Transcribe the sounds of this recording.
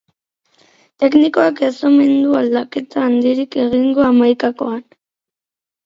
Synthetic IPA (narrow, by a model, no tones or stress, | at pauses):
t̪e̞kniko̞akesome̞nd̪uald̪ake̞t̪aːnd̪iɾike̞ɣiŋɡo̞amajkako̞̰an